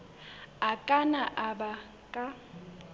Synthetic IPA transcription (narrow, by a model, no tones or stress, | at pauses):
akʼanaʔaba | kʼa